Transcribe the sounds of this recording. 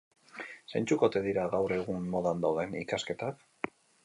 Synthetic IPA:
sajnt͡sukot̪e̞ðiɾaɣawre̞ɣ̞unmo̞ðand̪awðe̞nikaske̞t̪ak

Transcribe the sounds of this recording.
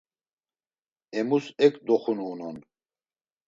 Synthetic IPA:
ɛmusɛkʼd̪ɔχunuːnɔn

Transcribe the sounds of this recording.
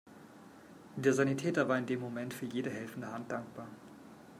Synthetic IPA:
d̥eːɐzanitʰɛːtɐvaːɐɪndeːmːomɛntfyːɐjeːdəɦɛlfn̩dəhant̚d̥aŋk̚b̥aːɐ

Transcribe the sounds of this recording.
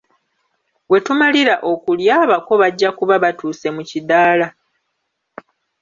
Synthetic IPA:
we̞tumaliɾaʔo̞kuljaːβako̞βaɟːakuβaβatuːse̞mucidaːla

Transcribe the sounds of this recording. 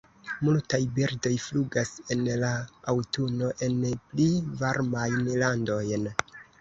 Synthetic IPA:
multajbeɾdo̞jfluɡase̞nlaawtuno̞ʔe̞nplivaɾmajnlando̞jn

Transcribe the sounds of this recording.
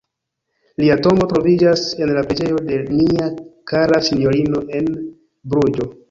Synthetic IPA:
liato̞mo̞tɾo̞vid͡ʒase̞nlapɾed͡ʒe̞jo̞de̞niakaɾasinjo̞ɾino̞ʔe̞n | bɾud͡ʒo̞

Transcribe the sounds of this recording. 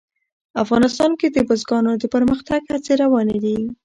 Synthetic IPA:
afɣɑnɪst̪ɑnked̪əbʊzɡɑnod̪əpəɾməxt̪aɡhat͡seɾawɑned̪i

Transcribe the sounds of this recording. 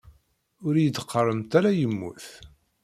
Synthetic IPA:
ʊɾjəd̪qʰːərˤːəmt̪æɾæjəmːṵθ

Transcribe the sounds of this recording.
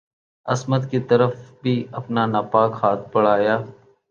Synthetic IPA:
əsməd̪kiːt̪əɾəfbʱiːəpnaːnaːpaːkhaːt̪̚ʰpəɭ̤aːjaː

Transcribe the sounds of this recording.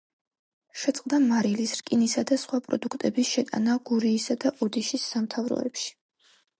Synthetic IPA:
ʃɛt̪sʼqʼd̪amaɾilisɾkʼinisad̪asχwapʼɾɔ̰d̪ukʰt̪ʼɛbisʃɛt̪ʼa̰naɡ̥uɾiːsad̪aʔɔd̪iʃisːamt̪ʰavɾɔ̰ɛ̰pʃi̥

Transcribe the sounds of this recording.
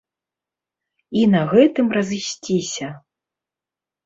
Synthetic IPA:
inɐɣɛt̪ɨmrɐzɨsʲt͡sʲisʲɐ

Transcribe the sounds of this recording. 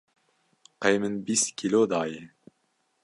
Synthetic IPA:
qejmɨnbiskʰʲilod̪ɑːje

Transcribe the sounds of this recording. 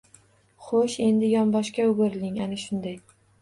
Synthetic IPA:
χoʃe̞nd̪ɪjɒmbɒʃkʲaʊɡoɾlɪŋanaʃʊnd̪aj

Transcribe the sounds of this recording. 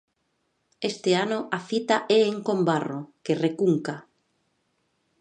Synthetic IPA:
est̪ɪanʊʔafit̪aʔɛeŋkombarokerekuŋka

